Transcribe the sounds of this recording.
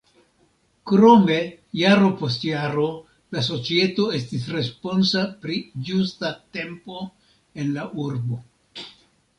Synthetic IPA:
kɾo̞me̞jaɾo̞po̞stjaɾo̞ | laso̞t͡sie̞to̞e̞stisɾe̞spo̞nsapɾid͡ʒustate̞mpo̞ | e̞nlaʔuɾbo̞

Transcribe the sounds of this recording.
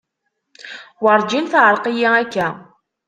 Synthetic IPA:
wəɾˤd͡ʒinθʕəɾˤqijiækːæ

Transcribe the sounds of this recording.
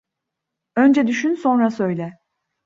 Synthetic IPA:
ø̞nd͡ʒɛd̪yʃynso̞nɾasø̞jlʲɛ

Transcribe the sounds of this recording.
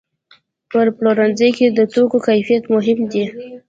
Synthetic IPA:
pəɾploɾanzəjked̪ət̪okokajfijat̪mʊɦɪmd̪i

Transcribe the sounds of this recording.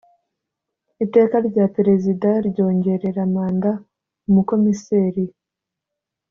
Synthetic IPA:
ite̞ːkaɾɟaːpeɾe̞zidaɾɟo̞ːɲɟe̞ɾe̞ɾamaːnda | umuko̞miseːɾi

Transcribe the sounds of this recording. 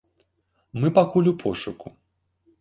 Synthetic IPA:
mɨpakulʲupʰɔʂuku

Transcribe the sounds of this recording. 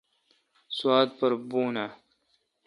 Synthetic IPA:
swaːt̪̚pɐɾbuːna

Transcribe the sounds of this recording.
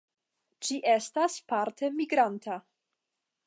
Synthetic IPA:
d͡ʒiʔestaspaɾtʰe̞miɡɾantʰa

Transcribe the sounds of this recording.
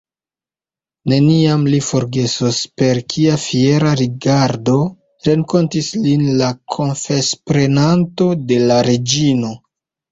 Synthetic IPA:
ne̞niamlifo̞ɾɡe̞sospe̞ɾkʰiafie̞ɾaɾiɡaɾdo̞ | ɾe̞ŋko̞ntislinlakʰo̞nfe̞spɾe̞nanto̞de̞laɾe̞d͡ʒino̞

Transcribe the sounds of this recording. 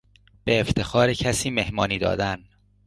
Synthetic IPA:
b̥e̞ːft̪ʰe̞xɒːɾecʰæsiːme̞hmɒːniːd̪ɒ̰ːd̪æn

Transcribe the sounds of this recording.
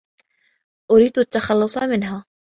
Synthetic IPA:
ʔʊɾiːd̪ʊt̪ːɐxalːʊsˤɑmɪnɦaː

